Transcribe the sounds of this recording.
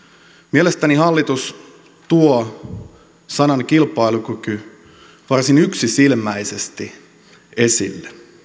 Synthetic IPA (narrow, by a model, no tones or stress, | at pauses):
mielest̪ænihɑlːit̪us | t̪uo | sɑnɑŋkilpɑilukyky | ʋɑrsinyksisilmæisest̪i | e̞sḭlːe